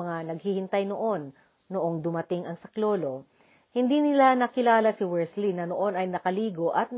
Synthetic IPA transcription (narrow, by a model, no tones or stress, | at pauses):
ɐŋanɐɡ̚hihɪnt̪ɐjnoʔo̞nː | oʔoŋd̪ʊmɐt̪ɪŋɐŋsɐklo̞ːlo̞ | hɪnd̪inɪlanɐkɪlaːlɐsɪwɛɹslinɐnoʔo̞nɐjnɐkɐliːɡo̞ʔɐt̪̚